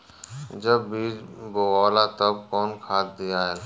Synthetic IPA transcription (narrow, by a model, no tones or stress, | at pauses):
d͡ʒəbːiːd͡ʒboɣɔːlat̪əb̚kɔːnkʰaːt̪̚d̪ijaːɦɛːl